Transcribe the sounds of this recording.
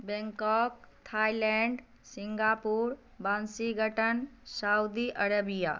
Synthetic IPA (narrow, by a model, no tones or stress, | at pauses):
bɛŋkɔːkt̪ʰaːilɛɳɖ | sɪŋɡaːpuːɾ | bansiɡʱəʈənsaud̪iʔəɾəbija̰ː